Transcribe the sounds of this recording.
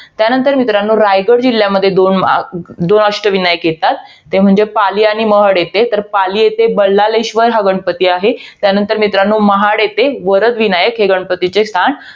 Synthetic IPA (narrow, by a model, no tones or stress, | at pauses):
t̪janənt̪əɾmit̪ɾanːuːɾajɡəɽd͡ʑilːjaməd̪ʱːjed̪ond̪onəʂʈəʋinajəkjet̪at̪ː | em̤əɳd͡zepaliañiməɦəɽjet̪et̪əɾpaliːjet̪ebəɭːaleɕʋəɾɦaɡəɳpət̪iːaɦet̪janənt̪əɾmit̪ɾanːuːməɦaɽjet̪eʋəɾəd̪ʋinajəkɦeɡəɳpət̪it͡sest̪ʰaɳ